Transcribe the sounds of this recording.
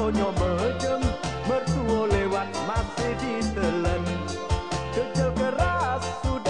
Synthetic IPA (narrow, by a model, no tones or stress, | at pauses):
oɲɔbəɦəd͡ʒəmːərsuolewat̪̚masɪhdid̪ələn | d̥əd͡ʒəmɡəɾassud